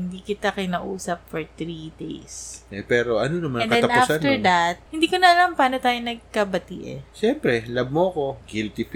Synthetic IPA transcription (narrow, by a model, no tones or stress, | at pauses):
ɪnd̪iːkɪt̪akɪnaʔuːsɐp̚fɔɹt̪ɾid̪ḛjsʔɛpɛːɾo̞ʔɐnonɐmanɛ̃nkɐɛ̃nɐafsanɛɹd̪ɐt̪̚hɪnd̪iːkonɐʔɐlampaːnot̪aːjonɐɡ̚kɐbɐt̪ḭʔɛ̰ʃɛmpɾɛlab̚moʔɐko̞ɡɪlt̪if